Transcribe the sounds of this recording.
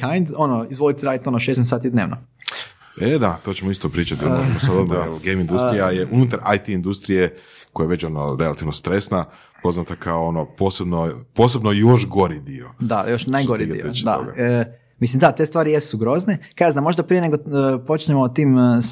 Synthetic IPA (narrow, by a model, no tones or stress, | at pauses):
kajnd̪o̞noizʋo̞lit̪eɾaːd̪it̪onoʃesnesaːt̪id̪ne̞ːʋno | ed̪at̪o̞ːt͡ɕemoist̪opɾiːt͡ʃat̪ioʒʒemosad̪od̪maelɡemind̪usɾijajeʔunut̪aɾajt̪iind̪ust̪ɾije̞kojajeʋe̞t͡ɕonoɾe̞lat̪iʋnost̪ɾe̞sna | po̞znat̪akʰaoonopo̞ːse̞bnopoːsebnojo̞ʃɡo̞ɾid̪iod̪ajo̞ʃnajɡɡoɾiḭot͡ʃd̪a̰o̰ɡa̰ | mislimd̪at̪est̪ʋaːɾijessuɡɾo̞znekaaznamːo̞ʒd̪apɾijeneɡopo̞t͡ʃɲemot̪iːm